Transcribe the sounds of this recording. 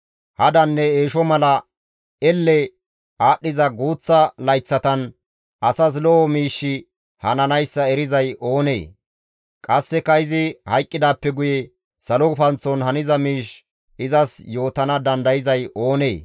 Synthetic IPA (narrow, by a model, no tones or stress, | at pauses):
hɐd̪ɐnːɛeːʃɔmɐlɐ | ɛlːɛ | aːɗːɪzɐɡuːt͡sːɐlɐjt͡sːɐt̪ɐn | ʔɐsɐs̬lɔɔmiːʃːɪ | hɐ̰nɐnɐjsːɐɛɾɪzɐjʔo̞ːnḛː | kʼɐsːɛkɐɪzɪhɐjkʼːɪd̪aːpːɛɡʊjɛ | sɐlɔʊfɐnt͡sːɔnhɐnɪzɐmiːʃ | ɪzɐsjo̞ːt̪ɐnɐd̪ɐnd̪ɐjɪzɐjʔo̞ːne̞̰ː